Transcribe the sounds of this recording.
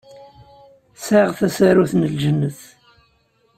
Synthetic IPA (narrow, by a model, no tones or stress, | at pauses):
saʁθæsaɾuθnəlʒənːəθ